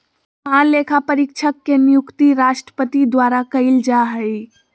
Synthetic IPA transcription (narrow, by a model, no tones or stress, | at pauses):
ãlekʰapəɾikt͡ʃʰəkːenijukt̪iɾaʃʈɾə̥pət̪id̪waɾakəɪld͡ʒaɦəj